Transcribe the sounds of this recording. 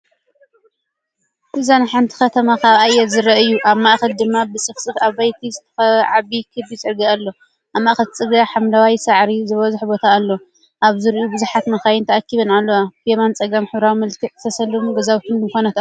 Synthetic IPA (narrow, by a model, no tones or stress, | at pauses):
ʔɨzanħant̪ʰi̥xɐt̪ʰɐmakʰaβajɛt̪zɨɾɐʔɨjːuʔaβmaʔxɐld̪ɨmːabɨsʼɨfsʼɨfaβajt̪ʰizɨt̪ʰɐ̥xɐβʕaβikʰɨdit͡sʼɨɾɡaalːo̞ | ʔaβmaʔxɐlt͡sʼɨɡaħamlawajsaʕɾizɨβɐzuħbo̞t̪ʰaːlːo̞ | ʔaβzɨɾʔubɨzuħat̪mɐxajɪnt̪ʰɐʔakːiβɐnalːɐwapemant͡sʼɐɡamħɨβɾawmɐlkʰɨħzɨt̪ʰɐsɐlːɨmɡɐzawt̪ʰɨnɨxonɐt̪a